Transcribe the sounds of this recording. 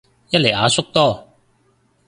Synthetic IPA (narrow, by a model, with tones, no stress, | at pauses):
jɐ˥t̚le˨˩aː˨˧sʊ˥k̚t̪ɔː˥˩˨